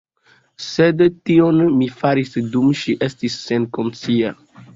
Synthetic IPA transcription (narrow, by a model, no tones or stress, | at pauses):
sedtionmifaɾisdumʃiʔestisːenkont͡sia